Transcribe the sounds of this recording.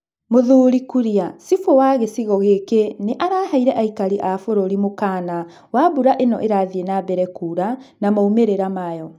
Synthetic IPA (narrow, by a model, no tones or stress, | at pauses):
moðuːɾikuɾiasifowaɣesiɣɔɣekeneʔaɾaːhaiɾɛʔaikaɾiʔafoɾoɾimokaːna | wabuɾaʔenɔʔeɾaðienabɛɾɛkuːɾanamaumeɾeɾamajɔ